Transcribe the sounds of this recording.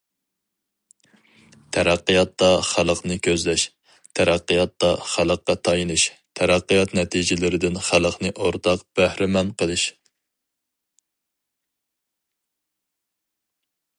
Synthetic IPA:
t̪ʰæɾæqːijɑt̪ːɑχælˠəqnɨkʲʰøzlɛʃ | t̪ʰæɾæqːəjɑt̪ːɑχælˠəqːɑt̪ʰɑjinɨʃt̪ʰæɾɑqːijɑt̪nɛt̪ʰid͡ʒɪlɪɾɪd̪ɪnχælˠəqnɨʔoɾt̪ʰɑqb̥æhɾɪmɛnqʰəlˠɨʃ

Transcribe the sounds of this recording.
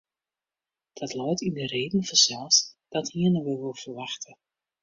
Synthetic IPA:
d̥ɑtlɔjtindəreːdən̩vɔnzɛlˠsd̥ɑthiənəʋəlˠʋɪlˠfərʋɑxtʰə

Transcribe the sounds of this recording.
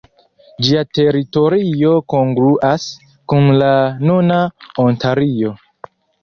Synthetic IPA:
d͡ʒiate̞ɾito̞ɾio̞ko̞ŋɡɾuʔas | kunlanunaontaɾio̞

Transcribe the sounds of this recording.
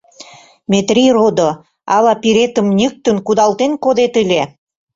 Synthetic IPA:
met̪rirod̪o | ɑlɑpiɾet̪ə̆mnʲek̚t̪ə̆nkud̪ɑlt̪enkod̪et̪əlʲe

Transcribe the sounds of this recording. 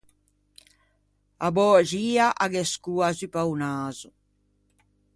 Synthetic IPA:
abɔːʒiːaʔaɡɛskuazipawnaːzu

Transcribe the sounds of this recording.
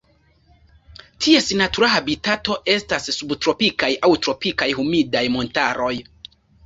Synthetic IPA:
tʰiesinatuɾahabitato̞ʔe̞stasːubtɾo̞pikajʔawtɾo̞pikajhumidajmo̞ntaɾo̞j

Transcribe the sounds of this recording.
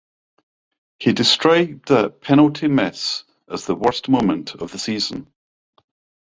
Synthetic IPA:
hidɪstɹ̥ɔɪb̚ðəpʰɛnəlˠʔʰimɛs | əzðəwɜ˞stmõmə̃nʔʰə̰vðəsiːz̥ə̃n

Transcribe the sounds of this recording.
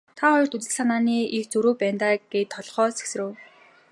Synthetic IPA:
t̪ʰaχɔjɞr̥t̪ut͡s̪ɘ̆ɮsanaːniːʔixt͡sɵɾoːpæːnt̪aːɡ̥eːt̪ʰːɔɮχɔːse̥ksɘ̆rɘ̆w

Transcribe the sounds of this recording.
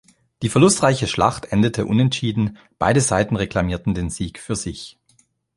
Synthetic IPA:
d̥iːfɛɐlʊstʁ̥aɪçəʃla̰χtʔɛndətʰəʔʊnɛntʃiːdn̩ | b̥a̰ɪɾəzaɪtn̩ʁekl̥amiːɐtn̩deːnziːkfyːɐzɪç

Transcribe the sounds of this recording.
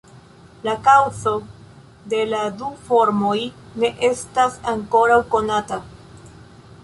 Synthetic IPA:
lakawzo̞ | de̞ladufo̞ɾmo̞jne̞ʔe̞stasaŋko̞ɾawko̞nata

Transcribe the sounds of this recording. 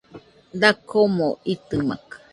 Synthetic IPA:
d̪akʰomõit̪ɨma̰kḁ

